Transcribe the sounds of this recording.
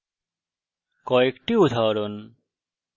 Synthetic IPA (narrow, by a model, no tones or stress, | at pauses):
kɔekʈiut̪ʰaɾon